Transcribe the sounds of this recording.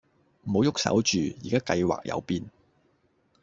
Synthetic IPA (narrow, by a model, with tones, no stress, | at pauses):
m̩˨˩ho˨˧wjʊ˥k̚sɐ̰˨˥wt͡ʃyː˨jḭː˨kaː˥kɐ˧jwa̰ː˨k̚jɐ̰˧wpiː˧n